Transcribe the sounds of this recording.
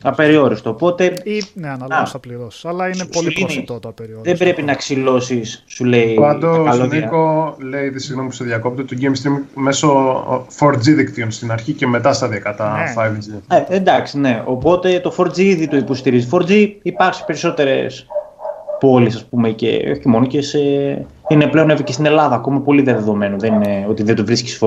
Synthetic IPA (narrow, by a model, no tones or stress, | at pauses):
ɐpe̞ɾio̞ɾist̪o̞ːpo̞t̪e̞nnɐliɾo̥ɐlɐineiniðe̞bɾe̞pinɐksilo̞sisːuleipɐd̪oɐlonikole̞iðisiɣnomipu̥seðʝɐko̞p̚t̪et̪oɟejmst̪ɾimme̞sofoɾd͡ziðikt̪ionst̪inɐɾçiceme̞t̪ɐst̪ɐðiɐkɐt̪ɐfɐjvizeend̪ɐksine̞o̞po̞t̪e̞t̪o̞fo̞ɾd͡ziiðit̪uipo̞st̪iɾizifo̞ɾd͡ziipɐɾsi̥pe̞ɾiso̞t̪e̞ɾe̞̰s | po̞lisɐspumecḛo̞çimo̞noce̞se | ine̞ple̞onevɾicet̪ine̞lɐðɐːko̞mɐpo̞liðeðeðo̞me̞nuðenineo̞t̪iðed̪uvɾisci̥sfo